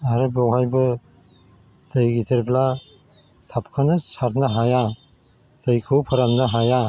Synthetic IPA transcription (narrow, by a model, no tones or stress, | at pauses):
aɾɯbawɦajbɯ | tɯjɡitʰeɾbla | t̪ʰap̚kʰɯnɯsaɾt̪ʰnɯɦaja | tɯjkʰɯwpʰɯɾamnɯɦaja